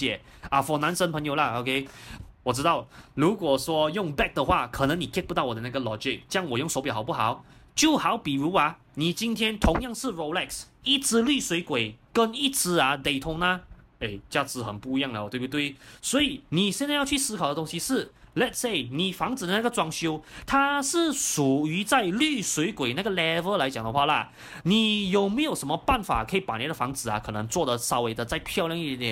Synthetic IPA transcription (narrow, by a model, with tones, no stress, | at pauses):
jɛ˨˩ | a˥˩fɔ˨˩na˧˥nʂə˥npʰə˧˥ŋjo˨˩ʊlɐ˦o˨˧kʰe˥ɪwɔ˨˩ʈ͡ʂɻ̩˥t̪ɑ˥˩ʊɻu˧˥kwɔ˨˩ʂwɔ˥jʊ˥˩ŋbɛ˥˩k̚d̪ə˧xwa̰˥˩kʰɤ˨˩nə˧˥ŋni˨˩kʰɛ˥˧pu˧˥t̪ɑ˥˩ʊwɔ˨˩d̪ə˦na˥˩ɡə˨lɔ˧˥d͡ʒɪ˧˥k̚t͡ɕjɑ˥˩ŋwɔ˨˩jʊ˥˩ŋso˧˥ʊpjxa˨˩p̬u˥˩xɑ˨˩˦ʊt͡ɕjo˥˩ʊxɑ˧˥ʊpi˨˩ɻu˧˥ɐ˧ | ni˨˩t͡ɕi˥nt̪ʰjɛ˥nt̪ʰʊ˧˥ŋjɑ˥˧ŋʂɻ̩˥˩ɹo˨˧ʊlɛ˥˩ksi˥˩t͡sɹ̩˧˥ly˥˩swe˧˥ɪkwe˨˩ɪkə˥ni˥˩t͡sɹ̩˧˥ɐ˧˨t̪e˨˩ɪt̪ʰʊ˧˥ŋnɐ˧ | e˥˩ɪt͡ɕja˥˩t͡sɹ̩˧˥xə˨˩npu˥˩i˧jɑ˥˩ŋə˨˩t̪we˥˩pt̪we˥˩ɪswɔ˧˥i˨˩ni˨˩ɕjɛ˥˧nt͡sa˥˧jɑ˥˧ʊt͡ɕʰy˥˩sɹ̩˥kʰɑ˨˩ʊdə˦t̪ʊ˥ŋɕi˧ʂɻ̩˥˩lɛ˧tse˥˩ɪni˨˩fɑ˧˥ŋt͡sɹ̩˨d̪ə˦na˥ɡə˩t͡swɑ˥ŋɕjo˥ʊt̪ʰa˥ʂɻ̩˥˩ʂu˨˩y˧˥t͡sa˥˧ɪly˥˩swe˧˥ɪkwe˨˩ɪna˥˩ɡə˩lɛ˥və˧˥la˧ɪt͡ɕjɑ˨˩ŋd̪ə˦xwa˥˩lə̰˩ | ni˨˩jo˨˩ʊme˧˥jo˨˩ʊʂə˧˥nmə˧pa˥˩nfa̰˨˩kʰɤ˧˥i˨˩pa˨˩ni˨˩d̪ə˩fɑ̰˧˥ŋt͡sɹ̩˨˩ɐ̰˧˦kʰɤ˨˩nɤ˧˥ŋt͡swɔ˥˩d̪ə˨˩sɑ˥we˧˥ɪd̪ə˧t͡sa˥˧ɪpʰjɑ˥˧ʊljɑ˥˧ŋi˥˩˥t̪jɛ˨˩˦n